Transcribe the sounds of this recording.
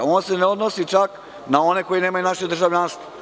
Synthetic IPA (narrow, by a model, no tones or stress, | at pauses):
oːnseneod̪nosit͡ʃak | nao̞ne̞ko̞jineːmajunaʃed̪r̩ʒaʋʎʲanst̪vo